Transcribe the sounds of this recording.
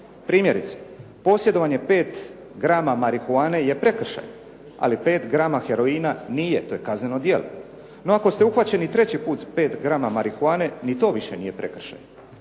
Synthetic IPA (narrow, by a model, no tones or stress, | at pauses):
pɾiːmje̞ɾit̪se̥ | po̞ːsjed̪o̞ʋaɲe̞pe̞ːt̪ | ɡɾaːmamaɾikuaːne̞je̞pɾe̞kr̩ʃa̰j | a̰lipe̞ːt̪ɡɾaːmaxeɾo̞iːnanijet̪oːje̞kazneno̞d̪jelo̰ | no̞ako̞st̪euxʋat͡ɕe̞nit̪ɾe̞t͡ɕipuːt̪zpe̞ːt̪ɡɾaːmamaɾikuaːne̞nit̪o̞ːʋiʃenijepɾḛkr̩ʃa̰j